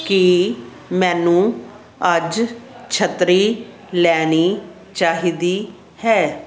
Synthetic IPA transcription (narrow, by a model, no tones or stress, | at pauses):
ki | mɛ̃ːnũː | əd͡ʒt͡ʃʰət̪ɾiː | lɛːniː | t͡ʃaːɦiːd̪iː | hɛː